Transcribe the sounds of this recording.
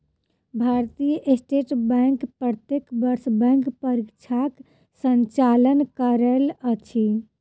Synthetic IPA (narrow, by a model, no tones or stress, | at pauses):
bʱaɾt̪ijəʔesʈeʈbɛŋkpɾət̪jekbəɾsbɛ̃ŋkpəɾikt͡ʃʰak | səɲt͡ʃalənkəɾələt͡ʃʰi